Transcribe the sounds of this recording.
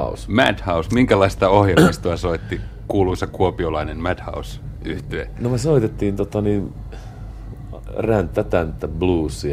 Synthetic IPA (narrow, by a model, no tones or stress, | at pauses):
usmæ̰t̪hɑusmiŋkælɑist̪ɑohjelmist̪uɑsoit̪ːikuːluisekuopiolɑinemmæt̪hɑ̰us | yht̪eːnomesoit̪et̪ːiːnt̪ot̪ɑnin | rænt̪ːæt̪ænt̪ːæbluːsːi